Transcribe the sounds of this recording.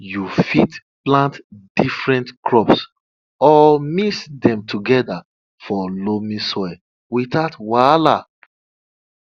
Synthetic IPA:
jufit | plãntdifɹɛ̃ntkʰɹɔps | ɔmisdɛ̃mtʰuɡɛda | fɔlomĩsɔj | witaʊtwala

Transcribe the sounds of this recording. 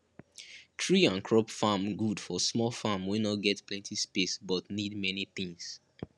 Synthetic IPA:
tʰɹiãnkʰɹɔpfamɡudfɔsmɔlfamwinɔɡɛtplɛ̃ntispesbɔtnidmɛniθĩŋs

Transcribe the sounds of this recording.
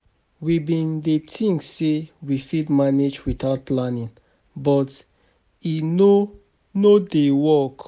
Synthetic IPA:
wibĩndetʰĩŋksewifidmaned͡ʒwiθaʊt̚planĩn | bɔt | ino | nodewɔk

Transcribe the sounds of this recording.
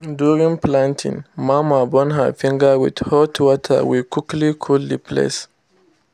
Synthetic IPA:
duɹĩŋplãntʰḭ̃ŋmamabɔ̃nɦə̰fĩŋɡəwḭdhɔtʰwɔtʰə̰wikiklikʰullipʰlḛs

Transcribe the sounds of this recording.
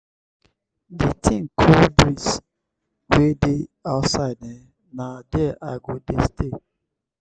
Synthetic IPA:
ditʰĩŋkʰobɾis | wedeaʊtsaɪdɛ | nadɛʔaɪɡodestʰe

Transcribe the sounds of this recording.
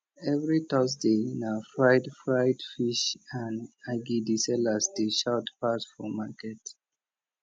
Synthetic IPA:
ɛvɹitɔsdenafɹaɪdfɹaɪdfiʃãnaɡidisɛlasdeʃatpasfɔmakɛt

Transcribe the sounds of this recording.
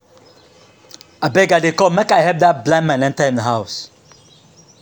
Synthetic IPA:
abɛɡadekɔmɛkaɪɦɛvdat̚blãmãnɛ̃ntaɪ̃ndəɦaʊs

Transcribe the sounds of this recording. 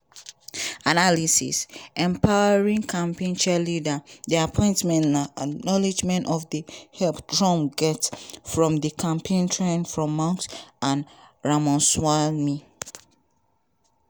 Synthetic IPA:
analisḭsɛ̃mpʰawəɹĩŋkʰãmpẽnt͡ʃɛlidəðiapʰɔ̃ɪ̃ntmɛ̃nnaanɔlid͡ʒmɛ̃ntɔfðəhɛlpdɹɔ̃mɡɛtfɹɔ̃mdəkʰãmpʰẽntʰɹẽnfɹɔ̃mːãŋksãnɹamɔ̃nswami

